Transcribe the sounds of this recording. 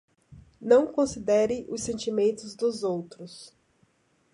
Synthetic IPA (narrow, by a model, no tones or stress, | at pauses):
nɐ̃w̃kõsid̪ɛɾɪʔʊsẽnt͡ʃimẽnt̪ʊzd̪ʊzowt̪ɾʊs